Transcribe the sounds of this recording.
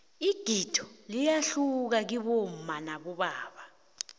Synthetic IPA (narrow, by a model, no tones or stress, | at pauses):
iɡ̥ʱitʰɔ̥lijaɬuk̬ak̬iɓom̩manaɓɔɓaːɓa